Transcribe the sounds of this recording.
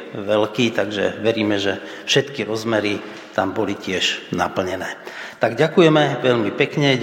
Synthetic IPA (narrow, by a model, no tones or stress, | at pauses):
ʋɛlkiːt̪aɡʒɛ̰ʋɛɾiːmɛʒɛ | fʃɛt̪kiɾɔzmɛɾi | t̪ambɔlicɪɛʒna̰pl̩ɲɛnɛːt̪aɡɟakujɛmɛʋɛʎmipɛkɲɛ